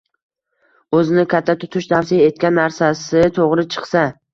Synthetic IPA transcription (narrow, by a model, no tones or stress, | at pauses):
ɵzɪnɪkʰʲat̪ʰːat̪ʰʊ̥t̪ʰʊʃt̪ʰafsijae̞t̪̚kʲanːaɾsasɪt̪ʰoʁɾɪt͡ʃʰɨ̥qsa